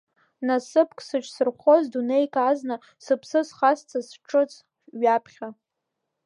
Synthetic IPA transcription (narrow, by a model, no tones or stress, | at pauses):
nasɨpʰkʼsɨʈ͡ʂʰʼsɨrχʷozdunejkʰʼazna | sɨpʰsɨsχast͡sʰasʈ͡ʂʰʼɨt͡sʼ | ɥapʰχʲa